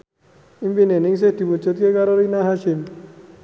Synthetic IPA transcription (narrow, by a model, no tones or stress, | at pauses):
impinenɪŋs̬ɪhd̪̥i̤mut͡ʃʊt̪̚kekaɾoɾinaɦaʃɪm